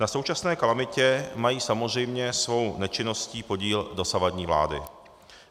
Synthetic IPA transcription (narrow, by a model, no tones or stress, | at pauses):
nasowt͡ʃasnɛːkalamɪcɛmajiːsamozr̝ɛjmɲɛsvo̞wnɛt͡ʃɪno̞sciːpo̞ɟiːldo̞savadɲiːvla̰ːdɪ̰